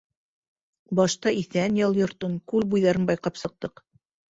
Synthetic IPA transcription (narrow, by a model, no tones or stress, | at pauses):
bɑʃt̪ɑiθænjɑlˠjŏɾt̪ɤnkʉlbujðɑɾɤnbɑjqɑpsɤ̆q̚t̪ɤq